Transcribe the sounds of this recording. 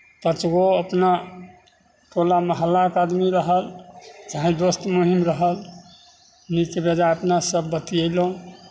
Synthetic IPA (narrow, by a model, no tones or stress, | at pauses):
pət͡ʃɡoəpna | ʈʰolaməɦəlːaəkad̪miɾəɦəld͡ʒaɦĩd̪ost̪moɦimɾəɦəl | nikebed̪aəpnasəbːət̪iəjlõ